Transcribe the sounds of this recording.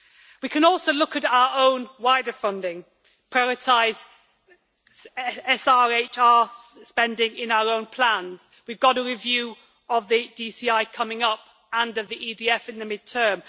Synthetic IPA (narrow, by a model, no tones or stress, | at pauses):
wikʰə̃nɔˑlˠsoʊlʊkəɾaʊəɹõʊ̃nwaɪdəfʌ̃ndɪ̃ŋ | pʰɹ̥aɪɔɹɪtʰaɪz | ɛsɑɹeɪt͡ʃɑːspɛ̃ndɪ̃ŋɪ̃naʊəɹõʊ̃npʰl̥ãnz̥ | wivɡɒɾəɹɪvjʉː | əvðidisiaɪkʰʌmɪ̃ŋʌp̚ | ə̃nəvðiʔidiɛfɪ̃nðəmɪd̚tʰɜːm